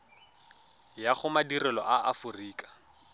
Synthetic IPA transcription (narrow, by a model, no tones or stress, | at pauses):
jaχʊmadirɛlɔʔaafʊriːkʼḁ